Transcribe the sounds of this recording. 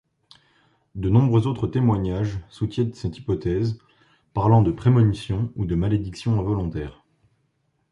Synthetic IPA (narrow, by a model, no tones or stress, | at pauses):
d̪ənɔ̃bʁøzot̪χət̪emwaɲaʒsut̪jɛ̃t̪əsɛt̪i̥pɔt̪ɛz | paʁlɑ̃d̪əpχemɔnisjɔ̃ud̪əmaled̪iksjɔ̃ɛ̃vɔlɔ̃t̪ɛːʁ